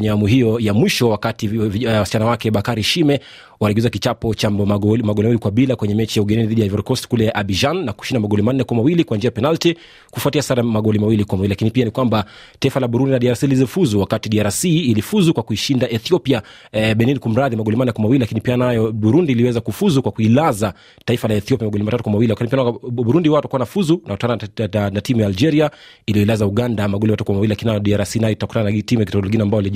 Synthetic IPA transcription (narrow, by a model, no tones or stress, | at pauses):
ɲɛamuɦijɔjamwiʃɔwakatiwasi̥t͡ʃanawakɛɓakaɾiʃimɛ | waɾɛɡizakit͡ʃapɔt͡ʃamaɠɔlimailikwaɓilakwɛɲɛmɛt͡ʃijauɡɛnɛniðiɗijaivɛɾɔkɔstkulɛaʔaɓiʒanːaku̥ʃindamaɠɔlimanːɛkwamawilikwand͡ʒiajapɛnalti | kufwatiasaɾamaɠɔlimawilikwamawililakinipianikwamba | taifalaɓuɾundinaɗiaɾasilizifuzuwakatiɗiaɾasiːlifuzukwakuiʃindaʔɛθiɔpia | ɓɛninikum̩ɾaðimaɠɔlimanakwamawililakinipianajɔɓuɾundiːliwɛzakufuzukwakuilaza | taifalaɛθiɔpjamaɡɔlimatatukwamawiliakatipianaɓuɾundihwatakuwanafuzunakutananatimujaːld͡ʒɛɾia | ilijɔilazauɠandamaɠɔlimatatukwamawililakininajɔɗiaɾasinajɔitaku̥tananatimujakitɔkɔlɔɡinaːmbajɔali